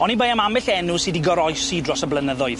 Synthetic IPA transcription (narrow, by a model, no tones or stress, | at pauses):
ɔnibejamamɪɬɛnʊsidiɡɔɾɔjsidrɔsəblənəðʊɨð